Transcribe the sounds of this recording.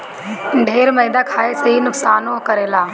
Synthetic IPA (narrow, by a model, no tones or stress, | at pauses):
ɳɖʱeːɾmɐĩd̪akʰaːesɐinʊksaːnõkɐɾeːlaː